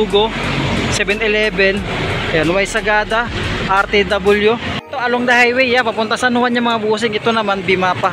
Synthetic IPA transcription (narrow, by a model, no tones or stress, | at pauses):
uɡosɛbɛnɛlɛbɛnɛanwajsɐɡaːd̪aʔaɾt̪ɛd̪abʊljʊʔɛt̪oʔɐloŋd̪ɐhajwɛjːapapʊnt̪asɐnʊhanɲaŋmɐŋabuːs̬ɪŋɛt̪onɐmanbɪmaːpa